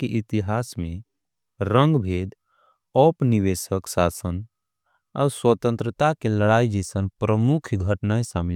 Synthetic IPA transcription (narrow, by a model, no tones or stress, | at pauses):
keʔit̪iɦaːsmẽ | ɾə̃ŋɡbʱeːd̪ | ɔpniʋesəksaːsən | a̰ːɾswət̪ə̃nt̪ɾət̪akeləɽaid͡ʒisənpɾəmukʰɡʱəʈnaesamil